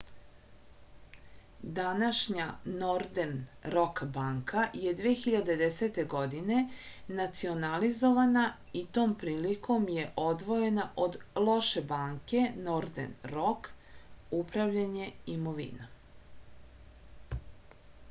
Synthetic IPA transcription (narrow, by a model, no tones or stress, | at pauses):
d̪anaʃɲaːoɾd̪enɾo̞kbaŋkaje̞d̪ʋiexiʎad̪ed̪eset̪e̞ɡo̞d̪ine̞ | nat̪sio̞nalizo̞ʋana | it̪o̞ːmpɾiːlikʰo̞mjeʔo̞d̪ʋo̞je̞naʔod̪lˠo̞ʃe̞baːŋke̞noɾd̪ḛnɾo̞k | upɾavʎaɲe̞imoʋḭna